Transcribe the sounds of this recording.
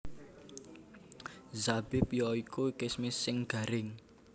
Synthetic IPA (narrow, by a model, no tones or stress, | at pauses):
zab̥epijɔikuikɪsmisɪŋɡ̥a̤ɾɪŋ